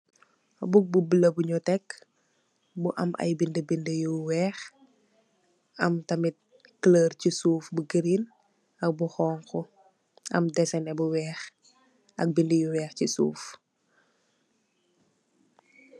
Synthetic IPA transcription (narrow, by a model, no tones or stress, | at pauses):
buk̚bubilɐbuɲɔtɛkː | buʔɐ̰mʔɐ̰jbindəbindəjuwɛːx | ɐmtɐmit̚ | kləːrcisuːfbuɡəɾin | ɐk̚buxɔːŋkɔ | ʔɐ̰mdɛsɛnɛbuwɛːx | ʔɐ̰k̚bindəjuwɛːxcisṵːf